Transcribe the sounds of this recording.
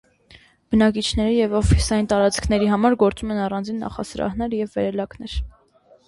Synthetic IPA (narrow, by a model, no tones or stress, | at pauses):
b̥ənɑk̬it͡ʃʰnɛɾijɛvɔfisɑjint̪ɑɾɑt͡skʰnɛɾiɦɑmɑɾɡɔɾt͡sumɛnɑrɑnd͡zinːɑ̰χɑ̰səɾɑ̰hnɛɾjɛvːɛɾɛlɑknɛɾ